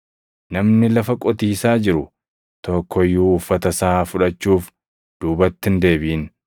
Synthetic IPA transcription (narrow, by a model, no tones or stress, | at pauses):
nɐmnɪlɐfɐkʼɔt̪iːsaːd͡ʒɪɾʊ | t̪ɔkʰːɔjːuːfːɐt̪ɐsafʊᶑɐt͡ʃːuːf | d̪̥uːbɐt̪ːɪnd̪e̞ːbiːn